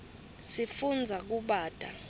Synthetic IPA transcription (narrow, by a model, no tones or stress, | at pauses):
sifund͡zʱak̬uɓaːd̥ʱa̰